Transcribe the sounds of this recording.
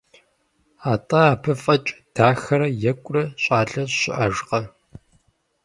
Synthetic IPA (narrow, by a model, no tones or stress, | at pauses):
aːtʼɐaːpʰɨfʼɐt͡ʃʼd̥aːxɐɾɐjɛkʷʼrɐɕʼaːɮɐɕɪʔɐʒqɐ